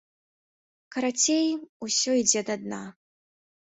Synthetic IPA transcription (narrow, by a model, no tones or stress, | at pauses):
kɐɾat͡sʲejmusʲɔid͡zʲɛd̪ad̪na